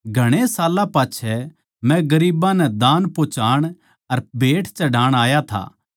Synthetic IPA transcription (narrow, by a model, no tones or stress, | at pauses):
ɡʱɐɽ̃esaːlãpaːt͡ʃʰɛ | mɛ̃ɡɐɾiːbãnɛd̪aːnpoːt͡ʃaːɽ̃ | ɐɾbʱeːʈʰt͡ʃɐɖaːɽ̃aːjat̪ʰa̰ː